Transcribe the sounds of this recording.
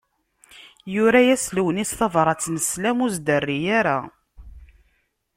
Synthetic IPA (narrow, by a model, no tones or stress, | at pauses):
jʊɾæjæsləwənisθɑvˤɾˤɑt͡sːnəslæmuzd̪ərːijaɾæ